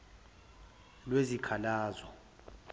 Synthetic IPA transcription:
lwezikʰalaːzɔ

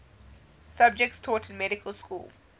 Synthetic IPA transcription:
sab̚d͡ʒɛk̚tstʰɔːtʰɪ̃nmɛɾɪkʰəlˠskṵːlˠ

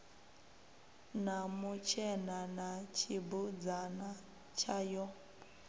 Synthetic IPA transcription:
namut͡ʃʰɛnanat͡ʃʰibud͡zana | t͡ʃʰajɔ

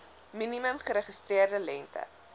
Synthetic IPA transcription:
miniməmχəɾəχistriərdəlɛntə̰

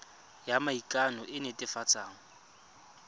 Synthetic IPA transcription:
jamaikʼanɔʔɪnɪtʼɪfat͡sʼaːŋ̩

